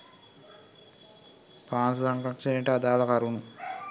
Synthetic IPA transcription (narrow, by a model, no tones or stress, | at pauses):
paːnsusaŋkɾakʂɐnejʈəad̪aːlɐkaɾunu